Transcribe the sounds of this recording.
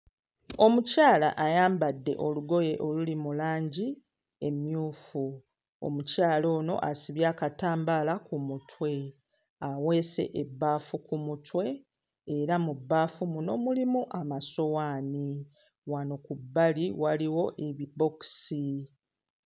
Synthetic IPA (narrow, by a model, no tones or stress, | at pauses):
o̞mucaːla̰ʔajaːmbadːe̞̰ʔo̞luɡo̞je̞ʔo̞lulimulaːɲɟi | e̞mjuːfu | o̰mucaːlo̞ːno̞̰ʔasiβjaːkataːmbalakumutwe̞ | awe̞ːse̞̰ʔebːaːfukumutwe̞ː | ɾamubːaːfumuno̞mulimuʔamaso̞waːni | wanokubːaliwaliwo̞ʔeβibo̞ksi